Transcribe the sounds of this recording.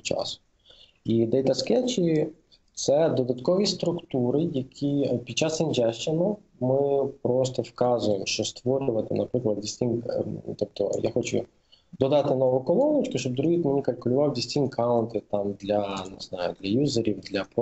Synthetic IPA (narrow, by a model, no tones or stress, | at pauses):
t͡ʃɑ̰sʊ̥ | id̪ɛjt̪ɐskɛt͡ʃi | t̪sɛd̪ɔd̪ɐt̪kɔʋʲist̪ɾʊkt̪uɾɪjɐkʲʰipʲid̪t͡ʃɑsinʲd͡ʒɛʃt͡ʃɪnɐ | mɪpɾɔs̬t̪ɔfkɑzʊjemʃt͡ʃɔst̪ʋɔɾʲʊʋɐt̪ɪnɐpɾɪklˠɐd̪̚dʲisʲtʲinʲkt̪ɔp̚t̪ɔ̰jaxɔt͡ʃʊ̰ | d̪ɔd̪ɑt̪ɪnɔʋʊkɔlˠɔnɐt͡ʃkʊʃt͡ʃɔbd̪ɾuɦit̪menʲikɐlʲkʊlʲʊʋɑwdʲisʲtʲinʲkʰɑʊnt̪ɪt̪ɑmd̪lʲɐnɪznɑjʊ̰d̪lʲɐjuzeɾʲiwd̪lʲɐp